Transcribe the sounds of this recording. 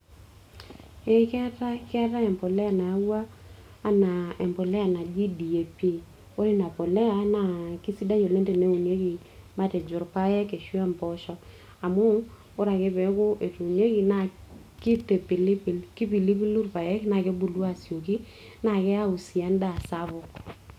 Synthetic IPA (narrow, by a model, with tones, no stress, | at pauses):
e˦kɛ˦ta˦kɪ˦a˦ta˦ɛ˨mpɔ˨lɛ˦a˨na˨a˦waː˦ | na˨e˨mpɔ˨le˦a˨na˨d͡ʒi˦di˨je˨pe˦˨ | o˦ɾi˦na˨po˨le˦a˦na˨ki˦si˦da˦jo˨le˦te˨ne˦u˨nje˦ki˨ | ma˦tɛ˨d͡ʒʊ˨ɾpa˦jɛ˦ke˨ʃwa˦mpɔ˦ʃɔ˦ | a˨mʊ˦ | ʊ˦ɾa˨kɪ˦pɛ˨˦kʊ˦ʔe˨tu˨nje˦ki˨na˦˨ | ki˦te˨pɪ˨li˦pi˨lkɪ˦pi˨li˦pi˦lu˦rpa˨jɛ˦kɪ˦na˨ke˦bu˨lu˦a˦˨sjo˨ki˦ | na˦˨kɛ˦a˦u˨si˨a˨˦nda˨sa˦βʊ˨k